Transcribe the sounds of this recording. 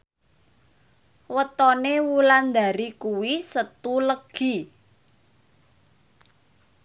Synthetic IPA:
wət̪ɔnewuland̪a̤ɾikuwisət̪uləɡ̥i

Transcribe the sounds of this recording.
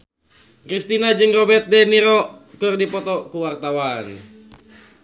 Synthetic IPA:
kɾist̪inad͡ʒɨŋrɔbɛt̪̚dɛniɾɔkɨrdipɔt̪ɔkuwart̪awan

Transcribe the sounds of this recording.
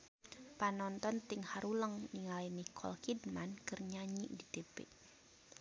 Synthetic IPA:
panɔnt̪ɔnt̪iŋhaɾuləŋniŋalinikʰɔ̰lhidmankɨrɲaɲḭʔdid̪ebɛ̰ʔ

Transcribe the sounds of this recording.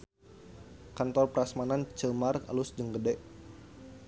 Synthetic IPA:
kant̪ɔrpɾasmanant͡ʃəmarka̰lusd͡ʒəŋɡədɛʔ

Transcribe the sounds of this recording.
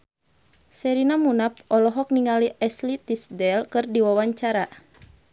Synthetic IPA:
sɛɾinamunap̚ɔlɔɦɔk̚niŋaliʔɛslit̪isdɛlkɨrdiwawaɲt͡ʃaɾa

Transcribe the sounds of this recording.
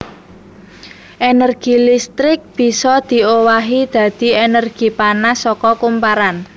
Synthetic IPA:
ʔenərɡ̥i̤list̪ɾɪk̚b̥i̤sɔd̪̥i̤owaɦid̪̥ä̤d̪̥i̤enərɡ̥i̤panasɔkɔkumpaɾan

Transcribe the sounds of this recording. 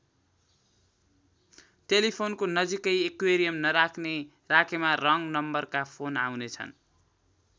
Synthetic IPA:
ʈelipʰonkonʌd͡zikʌjekweɾijʌmnʌɾakʰne | rakʰemarʌŋnʌmbʌrkapʰona̰wnet͡sʰʌ̰n

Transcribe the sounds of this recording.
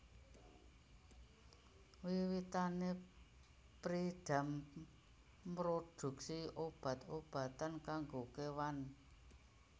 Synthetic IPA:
wiwit̪ane | pɾiɖ̥a̤m | ɾoɖ̥ṳk̚siob̥ä̤t̪ob̥ä̤t̪ankaŋɡokewan

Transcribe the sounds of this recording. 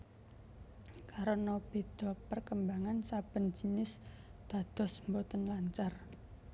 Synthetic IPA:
kaɾonɔb̥e̤d̪̥ɔ̤pərkəmbaŋansab̥ə̤nd͡ʒ̥inɪs | d̪̥a̤d̪̥ɔ̤smbot̪ənlaɲt͡ʃar

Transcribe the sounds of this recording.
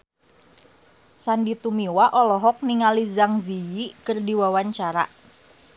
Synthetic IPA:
sandit̪umiwaʔɔlɔɦɔk̚niŋalizaŋzijikərdiwawaɲt͡ʃaɾa̰ʔ

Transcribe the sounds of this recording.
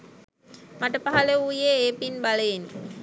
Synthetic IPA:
maʈəpaɦaleuːjeeːpinbaleini

